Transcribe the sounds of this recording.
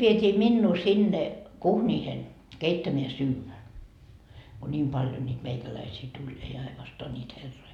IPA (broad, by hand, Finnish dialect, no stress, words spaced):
ʋietʲiː minːuː sinːe kuhnʲiːhen keitːæmeæ syːʋæ ko nʲiːm pɑljo nyt meikælæisiː tulʲ ei ɑinostoɑ nʲiːt herːoi